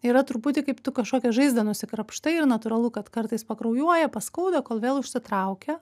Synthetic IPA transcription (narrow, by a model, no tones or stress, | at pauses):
iɾɐt̪ʊɾpuːt̪ʲɪkɐɪpt̪ʊkɐʃkoːkʲɛʒɐɪzd̪ɐnʊsʲɪkɾɐpʃt̪ɐɪɪɾnɐt̪ʊɾɐlˠʊkɐt̪kɐrt̪ɐɪspɐkɾɐʊjuɔjɛpɐskɐʊd̪ɐkoːlˠʋʲeːlˠʊʃʲsʲɪt̪ɾɐʊkʲɛ